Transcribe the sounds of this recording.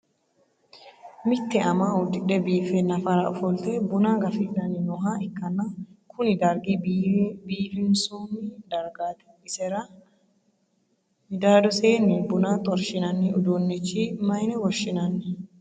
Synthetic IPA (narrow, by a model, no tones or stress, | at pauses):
mɪt̪ːɛɐmaːʊd̪ːɪᶑɛbiːfɛnɐfɐɾɐɔfɔlt̪ɛbʊnaːɡɐfɪdːɐnɪnɔɦaɪkːɐnːɐkʊnɪd̪ɐɾɡibiːfɪnsumːɪd̪ɐɾɡaːt̪ɛ̥ | ɪsɛɾɐ | mɪd̪aːd̪ɔseːnːɪbʊnaːt̪ʼɔɾʃɪnɐnːɛʊd̪onːɛt͡ʃːimɐjnɛwɔʃːɪnɐnːɛ